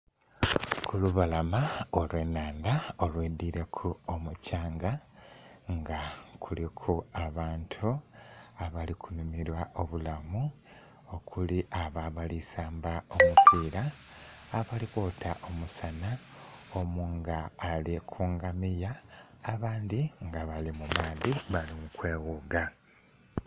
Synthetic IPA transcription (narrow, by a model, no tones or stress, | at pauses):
kʰuluβalamaolweːnaːndao̞lweːdiɾe̞kʰuomucaːŋɡa | ŋɡakʰulikʰuaβaːntʰuaβalikʰunumiɾwaʔo̞βulamu | o̞kʰuliʔaβaβalisaːmbao̞mupʰiːɾaː | βalikutʰaʔomusanaomuːŋɡaːlikʰuːŋɡamijaːβaːnd̪iŋɡaβalimumaːðiβalimukwe̞ːɣuɡa